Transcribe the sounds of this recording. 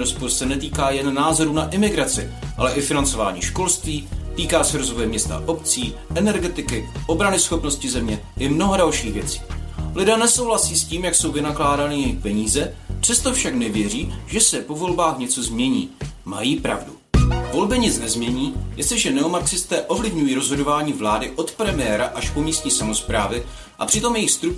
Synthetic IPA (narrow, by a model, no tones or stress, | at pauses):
ɾospoɾsɛnɛt̪iːkaːjɛnːaːzo̞ɾuːnaʔɪmɪɡɾat͡sɪ̰ʔalɛʔɪfɪnant͡so̞va̰ːɲḭːʃko̞lst̪viːt̪iːkaːsɛɾozvo̞jɛmɲɛst̪a̰ʔo̞pt͡siː | ʔɛnɛɾɡɛt̪ɪkɪʔo̞bɾanɪsxo̞pno̞scɪzɛmɲɛʔɪmnoɦodalʃiːɣvjɛt͡si̥ːlɪdɛːnɛso̞wɦlasiːsciːmjakso̞wvɪnaklaːdanɪjɛjɪxpɛɲiːzɛpr̝̥ɛst̪o̞fʃaknɛvjɛriːʒ̥ɛsɛpo̞vo̞lbaːxɲɛt͡so̞zmɲɛɲiːma̰jiːpɾa̰vdu | vo̞lbɪɲɪt͡snɛzmɲɛɲiːjʔɛst̪lɪʒɛnɛomaksɪst̪ɛːʔo̞vlɪvɲujiːɾozɦo̞do̞vaːɲiːvlaːdɪʔo̞t̪pɾɛmɪjɛːɾaʔaʃpo̞miːst̪ɲiːsamo̞spɾaːvɪ | ʔa̰pr̥ɪt̪o̞mjɛjɪxst̪ɾu